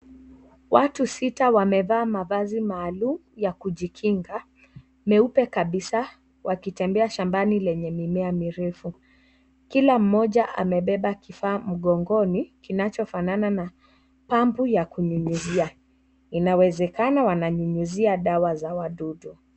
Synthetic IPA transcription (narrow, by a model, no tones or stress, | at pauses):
watusitawamɛvaːmaðazimaːlumjakuʄikʰiŋɡa | mɛupɛkaɓisa | wakitɛmbɛaʃambanilɛɲɛmimɛamiɾɛfu | kilam̩mɔʄaʔa̰mɛɓɛɓakifaːm̩ɠɔŋɡɔnikinat͡ʃɔfananana | pambujakuɲuɲuzia | inawɛzɛkanawanaɲuɲuziaɗawazawaɗuɗu